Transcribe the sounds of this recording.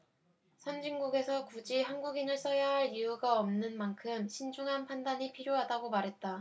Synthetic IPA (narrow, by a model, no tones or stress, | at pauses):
sʰʌnd͡ʑiŋɡuɡe̞sʰʌkud͡ʑiɦanɡuɡinɯɭs͈ʌjʌɦaɭijuɡaʌmnɯnmankʰɯmɕʰind͡ʑuŋɦanpʰandaɲipʰiɾjoɦadaɡomaɾɦe̞t̚t͈a